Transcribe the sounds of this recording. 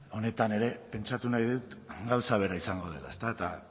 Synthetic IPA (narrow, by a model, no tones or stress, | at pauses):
o̞ne̞t̪ane̞ɾe̞pe̞nt͡ʃat̪unajðut̪ɡawsaβ̞e̞ɾaisaŋɡo̞ð̞e̞la̰est̪aet̪a